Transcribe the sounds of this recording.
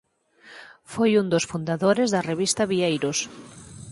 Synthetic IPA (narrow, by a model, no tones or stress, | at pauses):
fojund̪osfund̪aðoɾezðɐreβist̪ɐβiejɾos